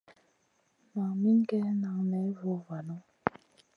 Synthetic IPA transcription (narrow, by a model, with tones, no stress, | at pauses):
ma˨ŋmi˦ŋ˦kɛ˦na˨ŋnɛ˨˦vo˨˦va˨no˦